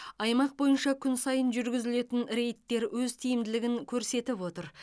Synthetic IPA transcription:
ɑjmɑq̚bo̞jənʃɑkʲʰʏnsɑjənʒʏɾɡʲɪzɪle̞t̪ɪnɾe̞jt̪ːe̞ɾwɵzt̪ʰijɪmd̪ɪlɪɡʲɪŋkʲʰɵɾse̞t̪ɪpwo̞t̪əɾ

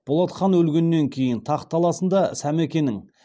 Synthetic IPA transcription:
b̥o̞lˠɑt̪qɑnwɵlɡʲe̞nːe̞ŋkʲʰe̞jɪnt̪ʰɑqt̪ʰɑlˠɑsənd̪ɑsæmekʲe̞nːɪŋ

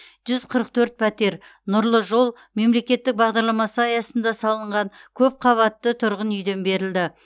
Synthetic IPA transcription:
ʒ̥ʏz̥qʰəɾəq̚t̪ʰɵɾt̪̚pʰæt̪e̞ɾ | nʊɾlˠəʒo̞lˠ | me̞mle̞kʲe̞t̪ːɪk̚bɑʁd̪ɑɾlˠɑmɑsəɑjɑsənd̪ɑsɑlˠəɴʁɑŋkʲʰɵp̚qʰɑβɑt̪ːət̪ʰʊɾʁənʏjd̪e̞nbe̞ɾɪld̪ɪ

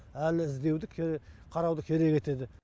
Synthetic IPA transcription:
ælɪɪzd̪e̞wd̪ɪkʲʰqʰɑɾɑwd̪əkʲʰe̞ɾe̞kʲe̞t̪e̞d̪ɪ

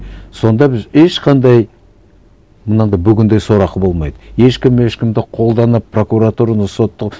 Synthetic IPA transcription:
so̞nd̪ɑbɪzeʃqʰɑnd̪ɑj | mənəɴd̪ɑbʏɡʲɪnd̪e̞jsoɾɑqəbo̞lˠmɑjd̪əje̞ʃkʲɪme̞ʃkʲɪmd̪ɪqʰo̞lˠd̪ɑnəpʰːro̞kuɾat̪uɾanəso̞t̪ːəq

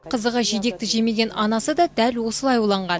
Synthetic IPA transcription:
qʰəzəʁəʒid̪e̞k̚t̪ɪʒe̞me̞ɡʲe̞nɑnɑsəd̪ɑd̪ælwo̞səlˠɑjulˠɑɴʁɑn

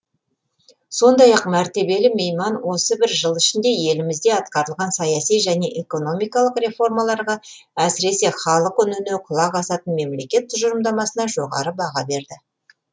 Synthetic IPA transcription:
so̞nd̪ɑjɑqmæɾt̪e̞be̞lɪme̞jmɑnwo̞səbɪɾʒəlˠɪʃɪnd̪e̞je̞lɪmɪzd̪e̞ɑt̪qɑɾəlˠʁɑnsɑjɑsijʒæne̞ʔe̞ko̞no̞mijkɑlˠəqrʲe̞fo̞rmɑlˠɑɾʁɑæsɪɾe̞se̞χɑlˠəqʏnʏneqʰʊlˠɑʁɑsɑt̪ənme̞mle̞kʲe̞t̪ʰːʊʒəɾəmd̪ɑmɑsənɑʒo̞ʁɑ̰ɾəbɑʁɑbe̞ɾd̪ɪ

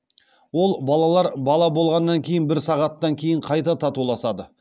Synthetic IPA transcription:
wo̞lˠbɑlˠɑlˠɑɾbɑlˠɑbo̞lˠʁɑnːɑŋkʲʰe̞jɪnbɪɾsɑʁɑt̪ːɑŋkʲʰe̞jɪɴqʰɑjt̪ɑt̪ʰɑt̪ulˠɑsɑd̪ə

